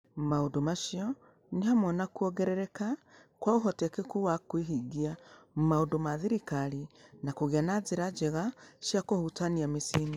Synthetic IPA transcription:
mmaondomaʃiɔ | nehamwɔnakuɔɣɛɾɛɾɛka | kwauɦɔtɛkekuwakweɦiɡiam̩maondomaðiɾikaɾinakoɣeanazeɾad͡ʒeɣaʃjakohutaniamesini

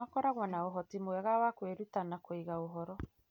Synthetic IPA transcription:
akɔɾaɣwanaoɦɔtimoɛɣawakweɾutanakoiɣaoɦɔɾɔ

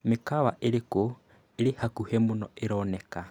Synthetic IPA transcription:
mekaβa̰ʔeɾeko | eɾehakuhemonɔeɾɔːneka

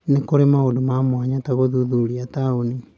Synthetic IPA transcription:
nekoɾemaondomamwaɲataɣoðuðuɾiatauni

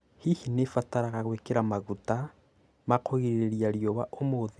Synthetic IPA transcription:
hihinefataɾaɣaɣwekeɾamaɣuta | makoɣiɾeɾjaɾjɔwaʔomoðe

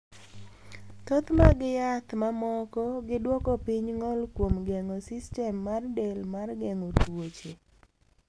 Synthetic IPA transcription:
t̪ot̪maɡɪjat̪mamɔkɔɡɪdwɔkɔpɪɲŋɔlkwomɡeŋɔsɪstɛmːardelmarɡeŋotwot͡ʃe

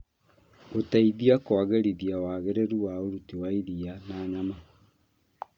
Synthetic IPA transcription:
otaiðiakwaɣeɾiðiawaɣeɾɛɾuwaoɾutiwaiðianaːɲama

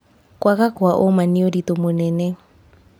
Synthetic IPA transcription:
kʼwakakʊaʔɔmaniodit̪ʊmʊnɛːnɛ

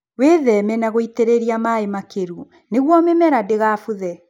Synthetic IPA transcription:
weðɛmɛnaɣoiteɾeɾiamaemakeɾu | neɣwɔmɛmɛɾadeɣaːfuðɛ

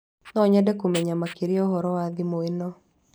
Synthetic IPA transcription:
nɔɲadɛkomɛɲamakeɾiɔɦɔɾɔwaðimoenɔ

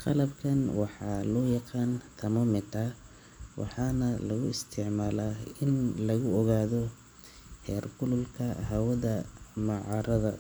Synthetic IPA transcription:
qɑlɐbkʰɐnwɑħɑːlɔːjɑqɑːnt̪ʰɐmɐmɪt̪ʰɐ | wɑ̰ħɑːnɐlɐɣʊɪst̪ʰɪʕmaːlaːɪnlɐɣʊɔɣaːðɔ | hɛːrkʰʊlʊlkʰɐhɐwɐðɐmɑʕɑːɾɐðɐ

